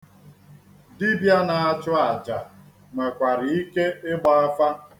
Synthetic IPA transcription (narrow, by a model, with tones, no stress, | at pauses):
di˦bja˦na˨a˨t͡ʃʊ˦a˨d͡ʒa˨ | me˨kʷa˨ɾɪ˨i˦ke˦ɪ˦ɡ͡ba˦a˦fa˦